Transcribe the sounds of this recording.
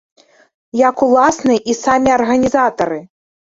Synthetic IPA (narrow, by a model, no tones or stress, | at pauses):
jakulˠasnɨʔisamʲiɐrɣɐnʲizat̪ɐɾɨ